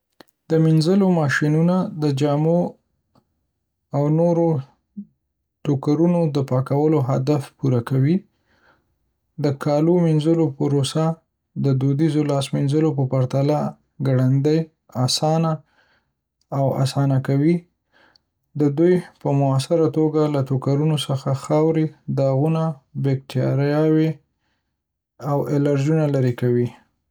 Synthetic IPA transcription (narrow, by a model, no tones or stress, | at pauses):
d̪̥əminzəlomɑʃinunad̪əd͡ʒɑmo | awnoɾo | ʈokaɾunod̪əpɑkawəloɦad̪afpuɾakawi | d̪əkʰɑlominzəlopəɾosa | d̪əd̪od̪izolɑsminzəlopəpaɾt̪ala | ɡaɽand̪əj | asɑna | wa̰sɑnakawi | d̪əd̪ujpəmʊasɪɾat̪oɡalat̪okaɾunosəxaxɑwɾed̪ɑɣunabek̚t̪ɑɾjɑwe | awɪlaɾd͡ʒunalaɾekawi